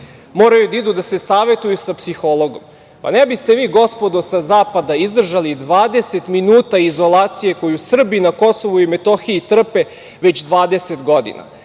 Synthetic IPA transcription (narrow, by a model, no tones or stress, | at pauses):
mo̞ːɾajud̪aid̪ud̪ase̞saːʋe̞t̪ujusapsixolˠo̞ɡo̞̰m | pa̰nebist̪e̞ʋiːɡo̞spo̞d̪osazaːpad̪aizd̪r̩ʒalid̪ʋaːd̪e̞se̞t̪minuːt̪aizo̞laːt̪sije̞ko̞jusr̩binako̞so̞ʋuimet̪o̞xiit̪r̩pe̞ | ʋe̞t͡ɕd̪ʋaːd̪e̞se̞t̪ɡo̞d̪ḭna̰